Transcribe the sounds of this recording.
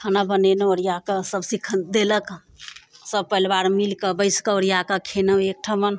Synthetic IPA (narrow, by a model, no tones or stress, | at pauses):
kʰanabənenɔɾjakasəbsikʰd̪elək | səb̚pəilbaɾmilkəbəɪskaɔɾjakakʰenəek̚ʈʰamən